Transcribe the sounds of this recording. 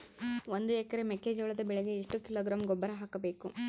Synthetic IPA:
ond̪uɛkɐɾemekːeːd͡ʒɐɭɐd̪ɐbɛɭeɡeiʂʈukiloːɡɾaːmɡɔbːɐɾɐɦaːkɐbe̞ːku

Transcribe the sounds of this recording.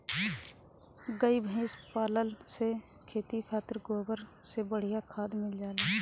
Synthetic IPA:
ɡəibʱẽːspaːləlse | kʰeːt̪ikʰaːt̪əɾɡoːbəɾsebəɽ̤ijakʰaːd̪mɪld͡ʒaːlaː

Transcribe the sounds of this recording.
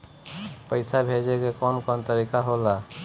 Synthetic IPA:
pəɪsabʱed͡ʒekekɔnkɔnt̪əɾikaɦola

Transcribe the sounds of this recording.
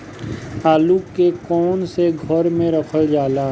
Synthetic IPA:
aːluːekɔːnseɡʱəɾmẽɾəkʰəld͡ʒaːlaː

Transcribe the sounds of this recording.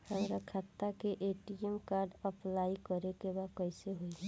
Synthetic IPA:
həmɾakʰat̪ːakeʔeːʈiɛmkaːɾɖəplaːikəɾekebaːd̪̚kəjseɦoiɛ

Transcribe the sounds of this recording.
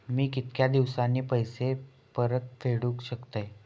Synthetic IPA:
miːkit̪kjad̪iʋsanːiːpəjse | pəɾət̪̚fʰeɽuːkɕəkt̪əj

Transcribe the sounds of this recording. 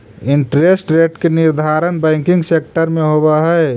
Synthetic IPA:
ɪ̃ɳʈɾesʈɾeːʈkenɪɾd̪ʱaːɾənbɛ̃ːŋkɪ̃ŋɡseːk̚ʈəɾmẽɦobaɦɛ

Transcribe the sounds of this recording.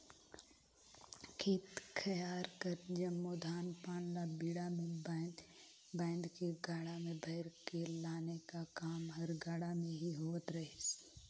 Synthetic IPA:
kʰiːt̪kʰɐjaːɾkəɾd͡ʒɐmːod̪ʱaːnpaːnlabiːɽamẽ | bãːɪnd̪keɡaːɽamẽbʱɐɪɾkelaːnekakaːmɦɐɾɡaːɽamẽɦiɦoːət̪ɾɐɦes

